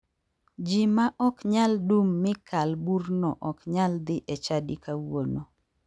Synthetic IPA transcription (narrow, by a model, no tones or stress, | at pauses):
d͡ʒimaʔɔkɲaldumːɪkʰalburnɔ̰ʔɔkɲald̪ɪʔɛt͡ʃadikawono